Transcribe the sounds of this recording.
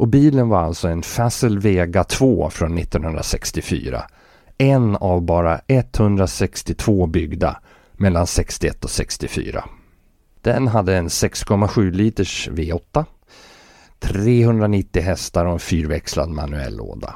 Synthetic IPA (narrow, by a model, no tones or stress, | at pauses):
ʔɔbiːlənvaɾalt̪sɔɛnfasəlveːɡat̪ʰvoːfɾɔnːɪt̪ːɔnhɵnd̪ɾa̰sɛkst̪ɪfy̰ːɾa̰ | ɛnavbɑːɾaɛt̪ːhɵnd̪ɾasɛkst̪ɪt̪ʰv̥oːbʏɡd̪a̰ | mɛlːansɛkst̪ɪɛt̪ːɔsɛkst̪ɪfy̰ːɾa̰ | d̪̥ɛnɦad̪ːəɛnsɛkskʰɔmːaɧʉ̟ːliːt̪əʂveːɔt̪ːa | t̪ʰɾeːhɵnd̪ɾanɪt̪ːɪɦɛst̪aɾɔɛnfyːɾvɛksla̰d̪ma̰nɵɛ̰lːo̰ːd̪a̰